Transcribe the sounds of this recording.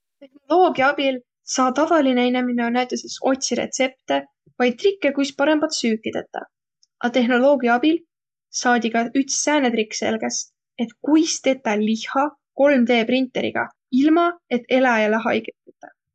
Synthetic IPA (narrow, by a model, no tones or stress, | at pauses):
t̪e̞hno̞lo̞ːɡiɑɑb̥il | sɑːt̪ɑvɑlineenemineonæɥt̪ˑːeseso̞t̪ʲsiɾḛt̪se̞p̚t̪e | vɑjd̪̚t̪rikːe̞kujspɑɾe̞mb̥ɑt̪syːkːˑid̪̥et̪ːˑɑ̰ | ʔɑt̪e̞ɦno̞lo̞ːɡ̥iɑɑb̥il | sɑːd̪ʲiɡ̥ɑyt̪sːæːnet̪ɾikːse̞̰lɡ̥e̞s | e̞t̪kujst̪e̞t̪ːˑɑlihɑ | ko̞lmd̪e̞ːpɾint̪ˑːe̞ɾḭɡ̥ɑ̰ | ilmɑe̞t̪ːe̞lɑjɑleɦɑ̰jɡ̥et̪ːɑt̪ːˑɑ